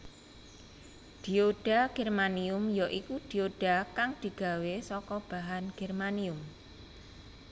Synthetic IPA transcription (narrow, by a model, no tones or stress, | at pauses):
d̪̥i̤oɖ̥a̤ɡ̥ɛrmaniʊmjɔʔikud̪̥i̤oɖ̥a̤kaŋd̪̥i̤ɡ̥a̤wesɔkɔb̥a̤ɦanɡ̥ɛrmaniʊm